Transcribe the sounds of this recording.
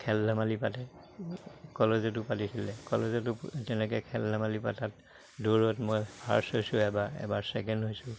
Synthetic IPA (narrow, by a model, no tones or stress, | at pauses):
kʰɛlːamalipatɛ | kɔlezɔt̬ʊpatisʰilɛkɔlezɔtʊtɛnɛk̬ɛkʰɛlːamalipatat | doɹɔtmojbʰʱaɹshojsʊɛbaɛ̰baɹsɛkɛndɦojsʊ